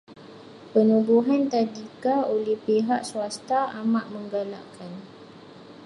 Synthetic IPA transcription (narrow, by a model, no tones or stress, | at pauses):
pənubuɦant̪adikaolɛhpeɦaʔsuast̪aamãʔmə̃ŋɡala̰ʔkan